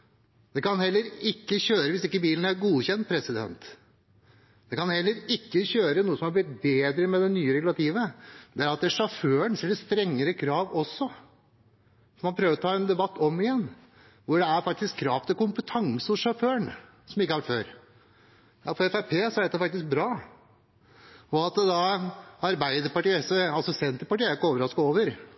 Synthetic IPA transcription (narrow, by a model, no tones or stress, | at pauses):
d̪̥ɛkɑnhɛlːəɾɪkːəçøːɾəʋɪsɪkːəbiːlən̩æɾɡuːçɛnt̪̚pʰɾɛsɪd̪ɛ̰nt̪ | d̪̥ɛkɑnhɛlːəɾɪkːəçøːɾənuːəsɔmhɑɾblɪt̪̚beːd̪ɾəmɛd̪ɛnyːəɾɛɡʉlɑt̪ʰiːʋəd̪ɛæɾɑt̪̚d̪æʂɑføːəɳsɛləst̪ɾɛŋːəɾəkʰɾɑːʋɔsːɔ | fɔɾmɑnpʰɾøːʋəɾɔt̪ʰɑːɛnd̪ɛbɑt̪ːɔmɪjɛnː | ʋʊɖɛæɾfɑk̚t̪ɪskʰːɾɑːft̪əkʊmpət̪ʰɑŋsəɔʂɑføːəɳ | sɔmɪkːəɑʋæʈføːɾ | jɑfɔɾɛfæɪpʰeːsɔæɖɛt̪ɛfɑk̚t̪ɪsk̚bɾɑː | ɔɑt̪d̪ɑɑɾbæɪd̪əɾpɑʈiːɛsɛɑlsɔsɛnt̪əɾpɑʈiːəæɾɪkːəoːʋəɾɑskoːʋəɾ